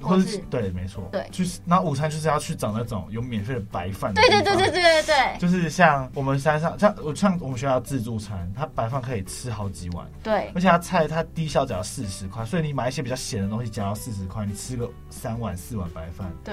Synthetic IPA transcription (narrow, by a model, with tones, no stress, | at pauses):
xwɔ˥˧˥t̪we˥˩ɪme˧˥ɪt͡sʰwɔ̰˥˨˥t͡ɕʰy˥˩na˧˥u˨˩t͡sʰa˥njo˥˧ʊʂ̬ɻ̩˥˧jɑ˥˧ʊt͡ɕʰy˥˩ʈ͡ʂɑ˨˩ŋna˥˩ʈ͡ʂʊ̰˨˩˦ŋjo˧˥ʊmjɛ˨˩nfe˥˩ɪə˩pa˧˥ɪfa˥˩ne˥˧t̪e˥˧t̪wt̪e˥˧t̪e˥˧˩e˥˧˩t̪we˥˩ɪt͡ɕo˥˧ʊʂ̬ɻ̩˥˧ɕjɑ˥˨˩ŋwɔ˨˩mə˨˦nsa˥nʂɑ˥˧˩ŋɕjɑ˥˧ŋɔ˨˩˥ɕjɑ˥˧ŋwɔ˨˩mə˦n̬y˥˧jɑ˥˧ʊ˧ʈ͡ʂt͡sɹ̩˥˧t͡su˥˩t͡sʰa˧˥nt̪ʰa˥pa˧˥ɪfa˥˩nkʰɤ˧˥i˨˩ʈ͡ʂʰɻ̩˥xɑ˧˥ʊt͡ɕi˧˥wa̰˨˦nt̪we˥˩ə˧˥t͡ɕʰɛ˨˩t̪ʰa˥t͡sʰa˥˧ɪt̪ʰa˥t̪i˥ɕjɑ˥ʊt͡ɕsɹ̩˥˩ʂɻ̩˧˦kʰwa˥˩ɪnswɔ˧˥i˧ni˧˩ma˨˩i˥ɕjɛ˥pi˨t͡ɕɑ˥ʊɕjɛ˨˩nd̪ə˩t̪o˥ŋɕi˧˥t͡ɕjɑ˨˩ŋjʊsɹ̩˥˩ʂ̬ɻ̩˧˦kʰwa˥˩ɪni˨˩ʈ͡ʂʰɻ̩˥ɡə˨ | sa˥nwa˨˩nsɹ̩˥˩wa̰˨˩npa˧˥ɪfa̰˥˩n